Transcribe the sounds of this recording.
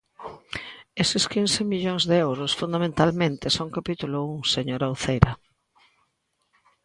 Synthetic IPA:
esɪskinsɪmiʎoŋzðeɛwɾʊsfund̪amẽnt̪almẽnt̪ɪsoŋkapit̪ulʊuŋseɲoɾawθejɾɐ

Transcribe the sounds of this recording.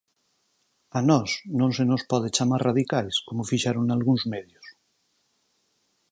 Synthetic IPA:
anɔsnõnsenospɔðet͡ʃamasraðikajskomofiʃaɾunalɣuŋzmeðjos

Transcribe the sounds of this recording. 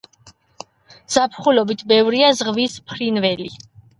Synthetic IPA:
z̥apʰχulɔbit̪ʰbɛvɾiazʁvispʰɾinvɛli

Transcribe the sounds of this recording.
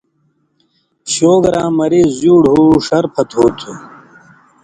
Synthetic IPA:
ɕoːɡɾãːmɐɾizzuːɽɦuʂɐɾpʰɐt̪oːt̪ʰu

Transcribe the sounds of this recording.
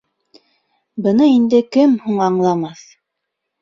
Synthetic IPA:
bɤ̆nɤind̪ɘkɘmhuɴɑɴlˠɑmɑθ

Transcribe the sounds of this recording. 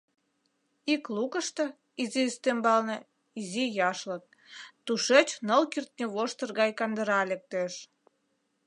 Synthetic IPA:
iklukəʃt̪ə̆ | izist̪embɑlnɤ | izijɑʃlək̚ | t̪uʃet͡ɕnəlkirt̪̚nʲeβoʃt̪ərɣɑjkɑnd̪əɾɑlek̚t̪eʃ

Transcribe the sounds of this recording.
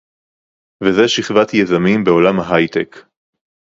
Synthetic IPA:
vezeʃiχvat̪jezamimbe̞o̞lamhaɦajt̪ek

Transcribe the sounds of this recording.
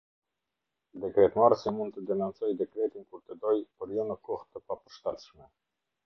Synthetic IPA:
d̪ɛkɾɛt̪maɾsimund̪̚t̪əd̪ɛnɔnt͡sɔjd̪ɛkɾɛt̪inkuɾt̪əd̪ɔjpəɾjɔnəkɔht̪əpapəɾʃt̪ɛt̪ʃmɛ

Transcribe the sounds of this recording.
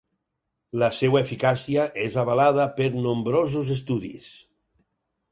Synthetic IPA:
lasewaefikasijaʔezaβalaðapeɾnombɾozuzes̬t̪uðḭs

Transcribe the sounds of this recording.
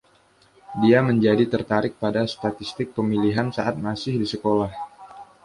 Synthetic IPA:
diaməɲd͡ʒadit̪ərt̪aɾɪk̚padast̪at̪ist̪ɪk̚pəmiliɦansaʔat̪̚masɪhdisəkolah

